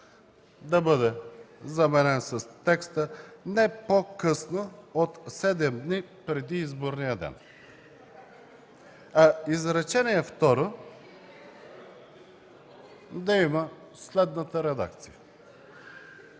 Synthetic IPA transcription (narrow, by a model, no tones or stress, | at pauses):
d̪ɐbɤd̪ɛzɐmɛnɛnsɐst̪ɛkst̪ənɛpokɤsnoot̪sɛd̪ɛmd̪nipɾɛd̪iizboɾnijəd̪ɛ̰n | ɐizɾɛt͡ʃɛniɛft̪ɔɾo | d̪ɐimə | slɛd̪nət̪əɾɛd̪a̰kt̪sijə